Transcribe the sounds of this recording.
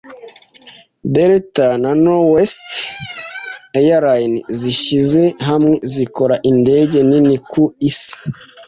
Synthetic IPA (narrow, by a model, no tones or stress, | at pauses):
deɾetananowest | ejaɾajnziʃizeɦamŋe̞ziko̞ɾaʔinde̞ɟe̞ninikuisi̥